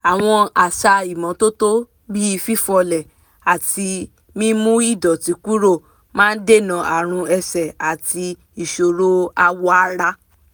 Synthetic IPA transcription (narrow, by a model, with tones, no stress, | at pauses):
a˨w̃ɔ̃˧a˨ʃa˧i˨mɔ̃˨˦to˦to˦ | bi˦i˦˧fi˦fɔ˧lɛ˨ | a˨ti˧ | mĩ˦mũ˦i˦˨dɔ˨ti˨˦ku˦ɾo˦˨ | mãː˦n̩˦de˦˨nã˨ʔa˨ɾ̃ũ˧ɛ˧sɛ˨a˨ti˧ | i˨ʃo˨ɾo˦a˦˧wɔ˦a˦ɾa˦